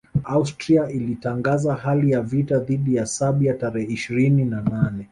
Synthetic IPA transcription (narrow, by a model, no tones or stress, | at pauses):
austɾiaʔilitaŋɡazaɦalijavitaðiɗijasaɓijataɾɛhɛiʃiɾininananɛ